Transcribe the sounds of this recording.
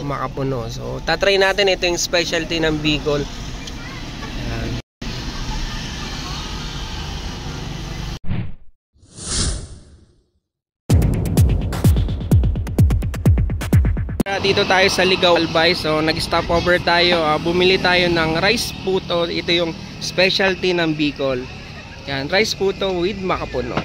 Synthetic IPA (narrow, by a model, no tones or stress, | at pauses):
mɐkɐpʊnoso̰t̪at̪ɾɐjnaːt̪ɪnʔɛt̪o̞jʊŋspɛʃɐlt̪inɐŋbiːkol | ɐjan | pɾad̪iːt̪o̞t̪aːjo̞sɐlɪɡɐwɐlbajsonɐɡst̪apʔoːvɛɹt̪aːjo̞ʔabʊmɪlɪt̪aːjo̞nɐŋɾajspuːt̪o̞ʔɪt̪o̞jʊŋ | spɛʃɐlt̪inɐŋbiːkol | janɾajspuːt̪o̞wɪd̪̚mɐkɐpʊno̰